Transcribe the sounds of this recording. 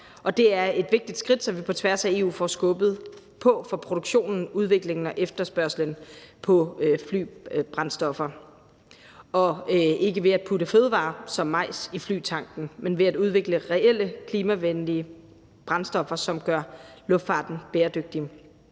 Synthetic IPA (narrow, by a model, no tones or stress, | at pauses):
ʔɒ̽d̥e̝æɐe̝d̥ʋe̝ɡ̥̚d̥id̥sɡ̥ʁid̥sɒ̽mʋipʰɒ̽t͡sʰʋæɐsæe̝ːṵːfɒsɡ̥ɔːb̥ð̞̩ˠ | pʰɒ̽fɒ̽pʰʁo̝ɾ̥oɡ̥ɕo̝̰ːnn̩uð̞ˠʋe̝ɡ̥le̝ŋn̩ɒ̽ʔefd̥ɐsb̥ɶɐslənpʰɒ̽fly̰ːb̥ʁɑ̈nsd̥ɒ̽fɐ | ʔɒ̽e̝ɡ̥əʋe̝æd̥̚pʰudəføːðˠəʋɑ̰̈ːsɒ̽mːɑ̈ɪ̰sifly̰ːt͡sʰɑ̈ŋ̰ɡ̥n̩menʋe̝æd̥uðˠʋe̝ɡ̥ləʁɛel̰əkʰliːmæʋenliə | b̥ʁɑ̈nsd̥ɒ̽fɐsɒ̽mɡ̥ɶɐlɔ̽fd̥fɑ̈ːd̥n̩b̥eːɐd̥øɡ̥̚d̥i